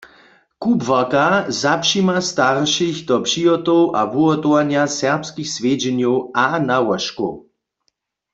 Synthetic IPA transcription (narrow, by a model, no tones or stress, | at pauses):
kubvakazapʃimast̪aʁʃixd̪ɔpʃiɔt̪ɔwʔa̰vuɔt̪owanjasɛʁpskixsʋeːd͡ʒɛnjɔwanawaʃko̰